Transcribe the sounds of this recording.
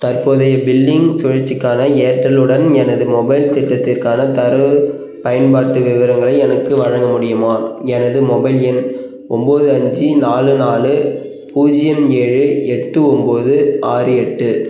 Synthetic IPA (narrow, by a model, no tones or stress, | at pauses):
t̪ɐrpoːðɐjɐbɪlːɪŋsɔɻɐt͡ʃːɪkːaːnɐeːʈːɐlɯɽɐnɛnɐðɯmɔbɐɪlt̪ɪʈːɐt̪ːɪrkaːnɐt̪ɐɾɯ | pɐjɐnbaːʈːɯʋɪʋɐɾɐŋɡɐɭɐɪɛnɐkːɯʋɐɻɐŋɡɐmʊɽɪjɯmaːɛnɐðɯmɔbɐɪlɛn | ɔmboːðɯɐɲd͡ʒinaːlɯnaːlɯ | puːd͡ʒɪjɐmeːɻɯɛʈːɯɔmboːðɯaːɾɯɛʈːɯ